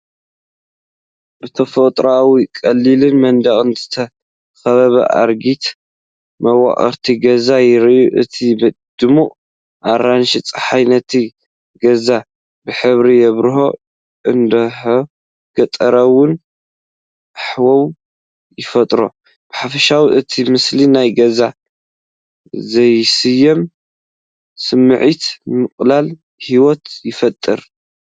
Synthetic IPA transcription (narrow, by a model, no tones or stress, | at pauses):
b̥ɨt̪ʰɐfɐt̪ʼɾawikʼɐlːilɨnmɐnd̪ɐχʼɨnzɨt̪ʰɐ | xɐβɐβɐ̰ʔa̰ɾɡit̪ | mɐwa̰χʼɐ̰ɾt̪ʰiɡɐzajɪɾiʔuʔɨ̰t̪ʰibɐd̪̥ɨmuʔ | ʔaɾanʃɪt͡sʼħajnɐt̪ʰi | ɡɐza | bɨħɨβɾijɛβɾɨho̞̰ | ʔɨnd̪ɐ | ɡ̥ɐt̪ʼɐɾɐwʊn | ħwɐw | jɪfɐt̪ʼɾo̞̰ | b̥ɨħafɐʃawiʔɨt̪ʰimɨslinajɡɐza | zɐjsɨjːɐm | sɨmːɨʕit̪mɨqʼlal | hiwot̪jɪfɐt̪ʼːɨɾ